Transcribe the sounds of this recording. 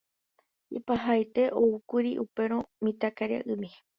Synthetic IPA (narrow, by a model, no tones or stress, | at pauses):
ḛpaɦajt̪e̞ʔoukuɾiʔupe̞ɾ̃õmĩt̪akaɾja̰ʔɨmĩ